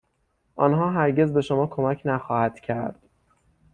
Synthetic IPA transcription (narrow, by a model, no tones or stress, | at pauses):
ʔɒ̰ːnɦɒːɦæɾɟe̞zbe̞ʃo̞mɒːkʰo̞mæcʰnæxɒːhæd̪̥cʰæɾd̪̥